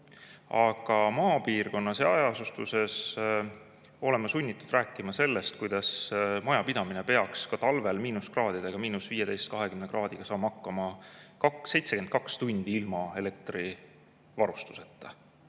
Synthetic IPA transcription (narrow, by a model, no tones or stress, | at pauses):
ɑɡ̥ɑmɑːpiːrko̞nːɑseɑjɑsust̪use̞s | o̞le̞mɑsunʲːit̪ːˑud̪ræːkːˑimɑse̞lːest̪̚kujd̪̥ɑsmɑjɑpid̪̥ɑminepe̞ɑkskɑt̪ɑlve̞lmiːnuskrɑːd̪̥id̪̥eɡ̥ɑmiːnusviːje̞t̪e̞jst̪̚kɑɦe̞kymne̞krɑːd̪̥iɡ̥ɑsɑːmhɑkˑːɑmɑkɑkse̞jt̪se̞ke̞nd̪̚kɑkst̪unʲd̪̥iilmɑe̞le̞k̚t̪ri | vɑɾust̪u̥se̞t̪ːˑɑ